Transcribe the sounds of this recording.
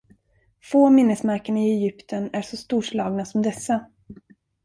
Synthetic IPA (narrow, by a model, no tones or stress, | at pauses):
foːmɪnːəsmaɾkəɳaɪɛjʏpt̪ʰənæʂɔst̪uːʂlɑːɡnasɔmd̪ɛsːa